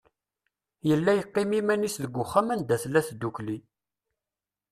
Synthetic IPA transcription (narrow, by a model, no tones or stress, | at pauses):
jəlːæjəqːɪmimænisðəɡʷːʊχːamænd̪æθlːæθd̪ːukli